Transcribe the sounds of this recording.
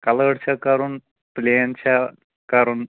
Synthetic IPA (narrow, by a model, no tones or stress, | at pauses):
kɐləɽt͡ʃʰakɐɾun | pleːnt͡ʃʰa | kɐɾun